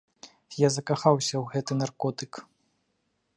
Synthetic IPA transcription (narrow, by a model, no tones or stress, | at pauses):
jazɐkaxawsʲɐwɣɛt̪ɨnarkɔt̪ɨk